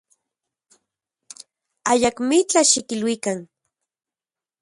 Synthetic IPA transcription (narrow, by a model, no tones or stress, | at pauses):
ajakmit͡ɬaʃikilwikan